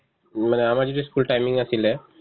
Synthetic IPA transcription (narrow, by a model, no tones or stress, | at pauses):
maneamaɾd͡ʑodiskulʈajmiŋasile